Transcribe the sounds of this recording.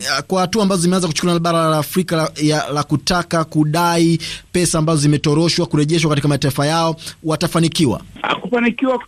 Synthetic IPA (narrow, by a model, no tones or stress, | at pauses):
kwahatuaːmbazɔzimɛanzaku̥t͡ʃu̥kuluanaɓaɾalaːfɾikajalakutakakuɗaipɛsaːmbazɔzimɛtɔɾɔʃwakuɾɛʄɛʃwakatikamataifajaɔwatafanikiwa̰a̰kufanikiwa